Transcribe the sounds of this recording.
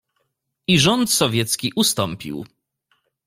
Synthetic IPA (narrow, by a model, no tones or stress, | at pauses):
iʐɔnt̪sɔvʲjɛt̪skʲiʔust̪ɔmpʲḭw